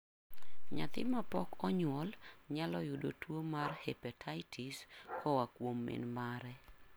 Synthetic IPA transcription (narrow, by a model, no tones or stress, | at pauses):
ɲat̪ɪ̰mapɔkɔɲwɔlɲalɔjʊdo̰twomarhɛpatʰajtʰiskɔwakwomːɪ̰nmaɾɛ